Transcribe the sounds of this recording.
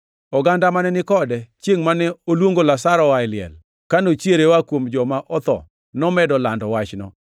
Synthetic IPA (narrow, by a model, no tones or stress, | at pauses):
ɔɡandamanɛnɪkɔdɛt͡ʃjeŋmanɛolwoŋɡolasaɾɔwaɪlɪɛ̰l | kanot͡ʃjeɾewakwomd͡ʒɔmaʔɔt̪ɔ̰ | nɔmɛdɔlandɔwat͡ʃnɔ̰